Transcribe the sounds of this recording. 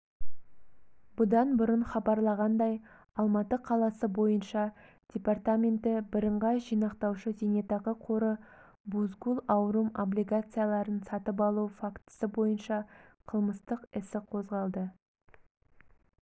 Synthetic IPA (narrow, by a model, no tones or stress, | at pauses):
b̥ʊd̪ɑnbʊɾənχɑbɑɾlˠɑʁɑnd̪ɑj | ɑlˠmɑt̪əqʰɑlˠɑsəbo̞jənʃɑ | d̪̥ʲe̞part̪amʲe̞nt̪ɪbɪɾəɴʁɑʒijnɑqt̪ɑwʃəzenet̪ɑʁəqʰo̞ɾə | buzɡulˠɑwɾumoblʲijɡat̪sɨjalˠɑɾənsɑt̪əp̬ɑlˠufakt̪ə̥səbo̞jənʃɑqʰəlˠməst̪əqɪsɪqʰo̞zʁɑlˠd̪ə